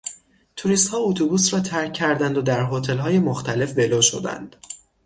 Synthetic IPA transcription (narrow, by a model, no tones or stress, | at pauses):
t̪ʰuɾist̪hɒːut̪ʰubuːsɾɒːt̪ʰæɾcʰːæɾd̪ænd̪od̪æɾɦot̪ʰe̞lɦɒːje̞moxt̪ʰæle̞fbe̞loːʃo̞̰d̪æ̰nd̪̥